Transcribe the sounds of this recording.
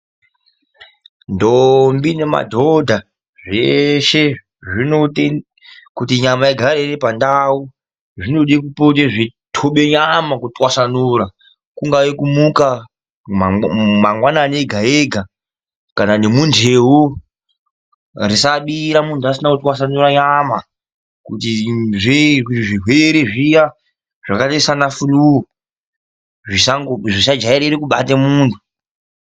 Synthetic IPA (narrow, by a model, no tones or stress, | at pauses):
ndombine̞ma̰dʱodʱa | ʐeʃe̞ | ʐinote | kutiɲamaiɡʱaɾeɾepandau | ʐino̞ɗikupoteʐitʰoɓe̞ɲamakutwasanuːɾa | kuŋɡaikumuka | maŋɡwananeɡʱaeɡʱa | kananemund͡ʒʱeɦo | risaɓiɾamundʰʱuasinakutwas̬anuɾaɲama | kutiʐekuiʐiɦweɾeʐija | ʐ̥akatesanafuruo | ʐisaŋʐisad͡ʒaiɾeɾekuɓatemuːntʰu